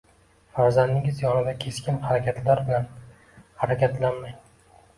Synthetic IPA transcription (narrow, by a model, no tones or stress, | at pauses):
faɾzand̪ɪŋɪzjɒnɪd̪akʲʰe̞skʲɪnhaɾakʲʰat̪ʰlaɾblan | haɾakʲʰat̪ʰlanmaj